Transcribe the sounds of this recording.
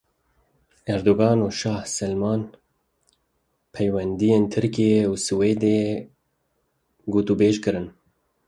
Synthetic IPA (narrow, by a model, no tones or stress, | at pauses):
ɛɾd̪oɡɑːnuːʃɑːhsɛlmɑːn | pʰɛjwɛnd̪ijeːnt̪ʰɨɾkijeusɨweːd̪e | ɡuːt̪ubeːʃkɨɾɨn